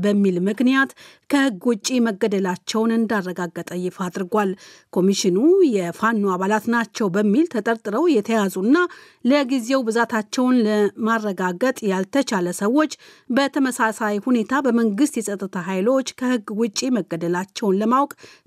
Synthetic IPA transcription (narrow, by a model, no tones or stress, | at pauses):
bəmːilmɨknijat̪ | kʰəhɨɡːwʊt͡ʃʼːeməɡːəd̪əlat͡ʃːɛwnɨnd̪arːəɡaɡːət̪ʼəjɪfad̪ɾɨɡʷalkʰo̞miʃɪnujɛfanːuaβalat̪nat͡ʃːɛwbəmːilt̪ʰət̪ʼəɾt̪ʼɨɾəwjɛt̪ʰəjazunːa | ləɡize̞wbɨzat̪ʰat͡ʃːɛwnləmarːəɡaɡət̪ʼjalt̪ʰət͡ʃʰaləsəwːo̞t͡ʃː | bət̪ʰəməsasajhune̞t̪ʰabəməŋɡɨst̪jɛsʼət̪ʼːɨt̪ʰaɦajlo̞t͡ʃːkʰəhɨɡwʊt͡ʃʼːiməɡːəd̪əlat͡ʃːɛwnləmawkʼ